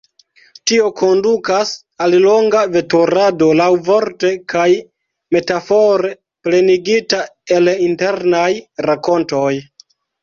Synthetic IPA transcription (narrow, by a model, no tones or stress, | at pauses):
tio̞kʰo̞ndukas | allo̞ŋɡave̞toɾado̞lawvo̞ɾte̞kaj | me̞tafo̞ɾe̞ | ple̞niɡitae̞linte̞ɾnajɾako̞nto̞j